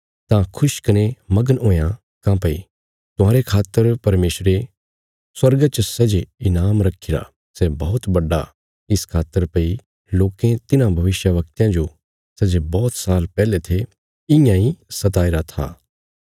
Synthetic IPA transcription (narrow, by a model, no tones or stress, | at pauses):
t̪ãkʰʊʃkɐnemɐɡənɦoːjã | kãpɐi | t̪ʊɦãːɾekʰaːt̪ːəɾpɐɾmeːʃɾe | swɐɾɡət͡ʃəsɛd͡ʒeɪnaːmɾɐkʰːiɾa̰ | sɛbɐːʊt̪bɐɖːa̰ | ɪskʰaːt̪ːəɾpɐi | loːkẽt̪ɪnãbʱɐʋɪʃjəʋɐk̚t̪jãd͡ʒo | sɛd͡ʒebɔːt̪saːlpɛːlet̪ʰe | ɪ̃jãisɐt̪̬aːiɾat̪ʰa̰ː